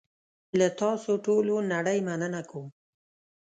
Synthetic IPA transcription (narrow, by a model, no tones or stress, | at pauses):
lat̪ɑsoʈolonaɽəjmanənakʰowm